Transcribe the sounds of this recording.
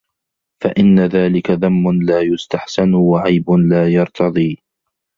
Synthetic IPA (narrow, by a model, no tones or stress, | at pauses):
faʔɪnːaðaːlɪkaðamːʊnlaːjʊst̪aħsanʊwaʕajbʊnlaːjɑɾˤt̪ʰɑðˤiː